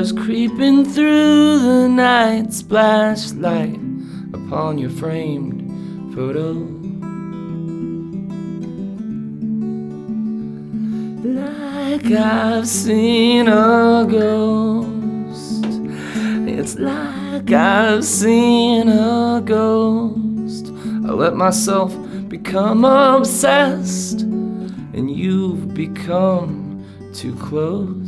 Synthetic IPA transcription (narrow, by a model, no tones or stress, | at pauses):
z̥kʰɹ̥ipɪ̃ŋθɹuðənaɪtsb̥læʃlaɪɾ | əpʰɑ̃njə˞fɹẽɪ̃md̥ | foʊɾoʊ | la | ɪkaɪv̥sinəɡoʊ | st | ɪ̰tslaɪkaɪv̥sinəɡoʊst | aɪlɛt̚maɪsɛlˠf | b̥ɨkʰʌ̃mʌbsɛst | ɨ̰̃njɨvbɨkʰʌ̃m | tʰʉ̰kʰl̥oʊ